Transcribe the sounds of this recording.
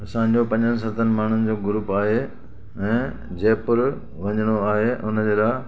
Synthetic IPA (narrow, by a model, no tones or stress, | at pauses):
sãːɪ̃ɲd͡ʑopɐ̃ɲd͡ʑənɪ̆s̬ɐt̪ʰənɪ̆maːɳ̤ʊnɪ̆d͡ʑoːɡʊɾuːpaːɦe | ɛ̃ː | d͡ʑeːpʊɾ | ʋɐ̃ɲəɽ̃oaːɦeʔʊnəd͡ʑeːlaː